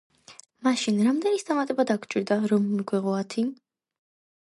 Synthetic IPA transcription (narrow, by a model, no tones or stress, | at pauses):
maʃinɾamd̪ɛnisd̪amat̪ʼɛbad̪akʰʷwt͡ʃʼiɾd̪aɾɔmːɡwɛʁɔat̪ʰi